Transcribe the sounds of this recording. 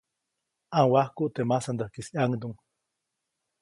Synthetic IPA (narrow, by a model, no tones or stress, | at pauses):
aŋwahkuʔt̪emasand̪ahkisiaŋd̪uŋ